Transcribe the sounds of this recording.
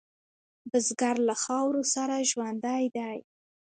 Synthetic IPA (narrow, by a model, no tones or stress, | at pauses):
bəzɡaɾlaxɑwɾosaɾaʒwand̪ajd̪aj